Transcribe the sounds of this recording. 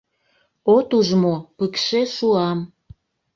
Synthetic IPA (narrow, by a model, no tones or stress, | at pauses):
ot̪uʒmopəkʃeʃuɑm